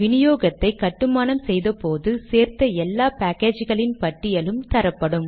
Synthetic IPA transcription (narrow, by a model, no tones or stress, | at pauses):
ʋɪnɪjoːɣɐt̪ːɐɪkːɐʈːɯmaːnɐmsɛjðɐpoːðɯseːɾt̪ɐɛlːaːpaːkːeːd͡ʒɣɐɭɪnpɐʈːɪjɐɭɯmt̪ɐɾɐpːɐɽɯm